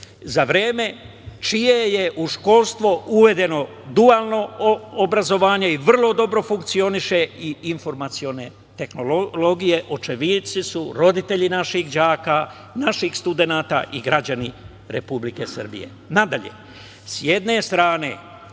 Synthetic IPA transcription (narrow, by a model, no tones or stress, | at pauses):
zaʋɾe̞ːme̞ | t͡ʃijeje̞ʔuʃko̞lˠst̪ʋouʋe̞d̪e̞no̞ | d̪uaːlˠno̞ːbɾazo̞ʋaːɲe̞iʋr̩lˠo̞d̪o̞bɾo̞fuŋk̚t̪sio̞niʃeiinfo̞ɾmat̪sio̞ne̞ | t̪e̞xno̞lolo̞ɡije̞ʔot͡ʃe̞ʋit̪sisuɾo̞d̪it̪e̞ʎinaʃixd͡ʑaːka | naʃixst̪ud̪e̞naːt̪a̰ʔiɡɾad͡ʑani | ɾe̞publike̞sə̰r̩bḭjḛ | nad̪aʎe̞̰ | sje̞d̪ne̞st̪ɾaːne̞̰